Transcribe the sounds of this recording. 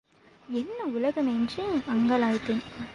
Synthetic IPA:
ɛnːɐʊlɐɣɐmend͡ʒiɐŋɡɐlaːjt̪ɪn

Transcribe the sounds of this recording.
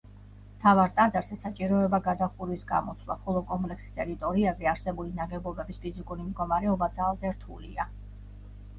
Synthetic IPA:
mt̪ʰavaɾt̪ʼad̪aɾzɛsat͡ʃʼiɾɔɛbaɡad̪aχuɾisɡa̰mɔ̰t̪sʰlˠa̰χɔlˠɔkʼɔmpʼlɛksi̥st̪ʼɛɾit̪ʼɔɾiazɛaɾsɛbulinaɡɛbɔbɛbispʰizikʼuɾimd̪ɡɔmaɾɛɔbad̪zalˠzɛɾt̪ʰṵlḭa

